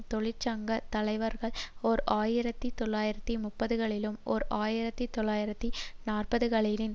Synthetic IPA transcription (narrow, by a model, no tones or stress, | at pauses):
t̪ɔɭɪt͡ʃːɐŋɡɐt̪ɐlɐɪʋɐɾɣɐɭɔɾʔaːjɪɾɐt̪ːit̪ɔɭːaːjɪɾɐt̪ːimʊpːɐðɯɣɐɭɪlɯmʔɔ̰ɾʔaːjɪɾɐt̪ːit̪ɔɭːaːjɪɾɐt̪ːinaːrpɐðɯkɐɭɪlɪn